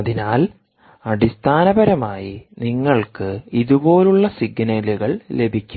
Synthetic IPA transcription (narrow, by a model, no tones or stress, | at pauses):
ɐðinaːl | ɐɽist̪ʰaːnɐbɐɾɐmaːjiniŋːɐɭkɨiðubo̞ːluɭːɐsiɡnɐluɣɐɭle̞bʱikʲːu